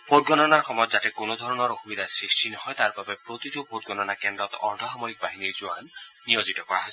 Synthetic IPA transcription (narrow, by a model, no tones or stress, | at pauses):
b̥ʰʱot̚ɡɔnɔnaɹxɔmɔjɔt̪zatɛkonod̪ʱɔɹɔnɔɹoxumid̪asɹistinɔɦɔjt̪aɹbabɛpɹot̪itubʰʱot̚ɡɔnɔnakɛndɹɔt̪ɔ̰ɹdʱɔxamɔɹik̚baɦiniɹzua̰nː | ijozit̪ɔkɔɹaɦɔ